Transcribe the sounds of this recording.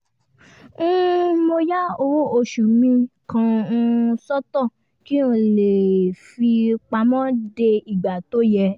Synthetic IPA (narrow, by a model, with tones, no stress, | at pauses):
mo˧ja˦o˧˨wo˧ʃu˨mĩ˧kã˧ũ˧sɔ˦tɔ˦˨ | ki˦ũ˧˨le˨fi˧k͡pa˧mɔ̃˦de˧i˨ɡ͡ba˨to˦jɛ˧